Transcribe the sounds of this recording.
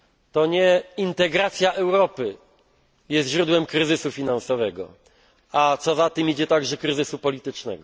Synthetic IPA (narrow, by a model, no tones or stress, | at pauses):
t̪ɔɲɛint̪ɛɡɾat̪sʲjaʔɛwɾɔpɘ | jɛst̪ʑɾud̪wɛmkɾɘzɘsufʲinansɔvɛɡɔ̰ | at̪sɔzat̪ɘmid͡ʑɛt̪aɡʐɛkɾɘzɘsupɔlʲit̪ɘt͡ʂnɛ̰ɡɔ